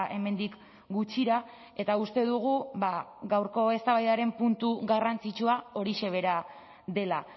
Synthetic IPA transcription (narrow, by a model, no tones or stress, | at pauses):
ʔe̞me̞nd̪ik | ɡut͡ʃiɾa | e̞t̪aust̪e̞ðuɣ̞uβaɡawɾko̞e̞st̪aβajðaɾe̞mpunt̪uɣarant͡sit͡ʃuao̞ɾiʃe̞β̞e̞ɾa | ðe̞la